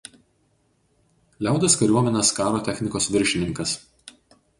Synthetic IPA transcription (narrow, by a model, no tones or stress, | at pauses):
lʲæˑʊd̪ɐskɐɾʲuɔmʲɛnʲɛskɑːɾoːt̪ʲɛxʲnʲɪkoːsʋʲɪɾʲʃʲɪnʲɪŋkɐs